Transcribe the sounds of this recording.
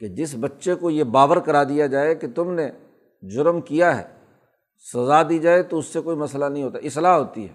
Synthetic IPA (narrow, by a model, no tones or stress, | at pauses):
ked͡ʒɪs̬bɐtːʃekojebaːʋəɾkɐɾaːd̪ijad͡ʒaːeket̪ʊmne | d͡ʒʊɾmkijaɦɛ̰ː | sɐzad̪iːd͡ʒaːet̪oʊsːekoːimɐslanɐɦĩɦoːt̪aɦɛɪslaːɦɦoːt̪iɦɛ̰ː